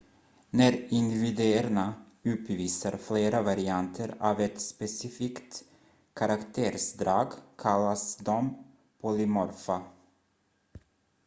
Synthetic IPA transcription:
næɾɪnd̪ɪvɪd̪eːæɾna | ʉ̟ːp̪viːsaɾfleːɾavaɾɪant̪ʰəɾaːvɛt̪spɛsɪfiːkt̪ | kʰaɾakt̪ʰeːɾsd̪ɾɑːɡkʰalːasd̪ɔm | pʰɔlɪmɔɾfa

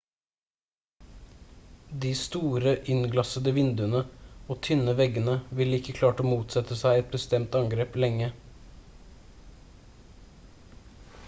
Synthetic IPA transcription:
d̪iːst̪uːɾəʔɪnɡlɑsəd̪əʋɪnd̪ʉənəoːt̪ʰʏnəʋɛɡənəʋɪləɪkːəkʰlɑːʈoːmuːt̪sɛt̪əsæɪɛt̪̚bəst̪ɛmt̪ɑŋɡɾeːplɛŋə

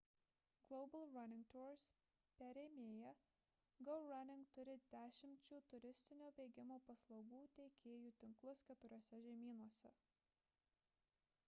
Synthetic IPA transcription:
ɡlˠɔʊbɐlˠɾɐnʲɪŋkt̪uːɾs | pʲɛɾʲeːmʲeːjɛ | ɡɔʊɾɐnʲɪŋkt̪ʊɾʲɪd̪ʲæːʃʲɪmʲt͡ʃʲuːt̪ʊɾʲɪsʲt̪ʲɪnʲoːbʲeːɡʲɪmoːpɐslˠɒʊɡuːt̪ʲɛɪkʲeːjuːt̪ʲɪŋklˠʊskʲɛt̪ʊɾʲoɔsʲɛʒʲɛmʲiːnuɔsʲɛ

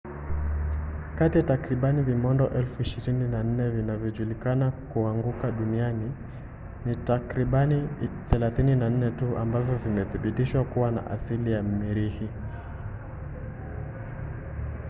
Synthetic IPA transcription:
katijatakɾiɓanivimɔndɔʔɛlfuiʃiɾininan̩nɛvinavjɔʄulikanakuaŋɡukaɗuniani | nitakɾiɓaniθɛlaθininan̩nɛtuʔa̰mbavjɔvimɛθiɓitiʃwakuwana̰ʔasilijam̩miɾihi

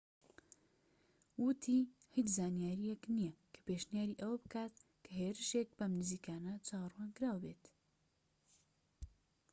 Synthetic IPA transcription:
wʊt̪ʰiː | hit͡ʃzaːnjaːɾijɛknijɛkʰɐ̥peːʃnijaːɾiʔɐwɐbɨkʰaːt̪ | kʰɐɦeːɾɨʃek̚bɐmnɨziːkʰaːnɐt͡ʃʰaːwɐrwaːnkɨɾaːwbeːt̪

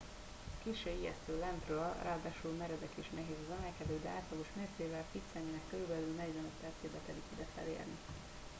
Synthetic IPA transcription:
kiːʃøːijɛ̰st̪øːlɛnt̪røːlrʔaːd̪aːʃulmɛɾɛd̪ɛkiʃnɛɦeːzɒzɛmɛlkɛd̪øːd̪ɛaːt̪lɒɡo̞ʃmeːrseːvɛlfit̪sɛnːeːnɛkːøɾybɛlylnɛɟvɛnøt̪ːɛt̪seb̪ɛt̪ɛd̪ik̪id̪ɛt̪ɛ̰lḛːrni

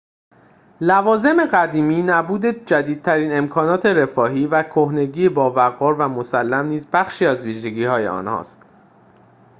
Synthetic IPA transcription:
lævɒːze̞me̞ɣæd̪iːmiːnæbuːd̪e̞d͡ʒæd̪iːd̪̚t̪ʰæɾiːne̞mkʰɒːnɒːt̪ʰe̞ɾe̞fɒːɦiːvækʰohne̞ɟiːebɒːvæɣɒːɾvæmosælːæmniːzbæxʃiːæzviːʒe̞ɟiːhɒːje̞̰ɒ̰ːnhɒ̰ːst̪

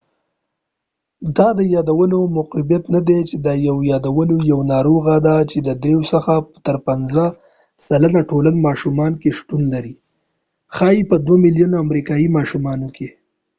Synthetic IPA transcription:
d̪ɑd̪əjɑd̪awənomʊqibjat̪nad̪et͡ʃed̪əjawjɑd̪awənojawnɑɾoɣad̪at͡ʃed̪əd̪ɾewsəxapt̪əɾpanzə | salənaʈoləlmɑʃumɑnkeʃt̪unlaɾi | xɑipəd̪wamɪljunoamɾikɑjimɑʃumɑnokʰe

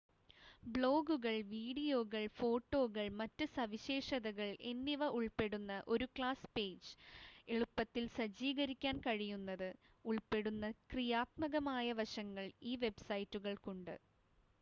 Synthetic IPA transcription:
bɭo̞ːɡuɣɐɭʋiːɽijo̞ːɣɐɭfo̞ːʈːo̞ːɣɐɭmɐtːɨsɐʋiɕe̞ːʂɐðɐɣɐɭe̞nːiʋɐʔuɭpe̞ɽunːɐʔo̞ɾukɭaːspe̞ːd͡ʑɨe̞ɻupːɐt̪ːilsɐd͡ʑiːɣɐɾikʲːaːnkɐɻijunːɐðɨ | uɭpe̞ɽunːɐkrijaːt̪mɐɣɐmaːjɐʋɐʂɐŋːɐɭiːʋe̞bsɐjtːuɣɐɭkuɳɖɨ̰

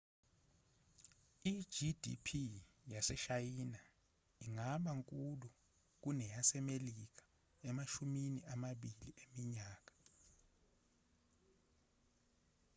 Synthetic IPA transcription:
i̥d͡ʒidʱḭpʰi | jasɛʃajiːna | iŋaɓaŋkʼulu | k̬unɛjasɛmelik̬ḁ | ɛmaʃuminiʔamaɓiliemiɲaːk̬ḁ

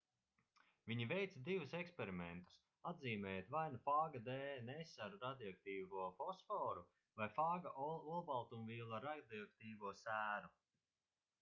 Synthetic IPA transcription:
vʲiɲivɛjt̪sad̪ivusɛkspeɾimɛnt̪u̥s | ad̪ziːmɛːjt̪vajnafaːɡad̪eːnesaɾuɾad̪iak̚t̪iːvuɔfɔsfɔːɾu | vajfaːɡaʔulˠbalˠt̪umviːlˠaɾad̪iɔkt̪iːvuɔsæːɾu

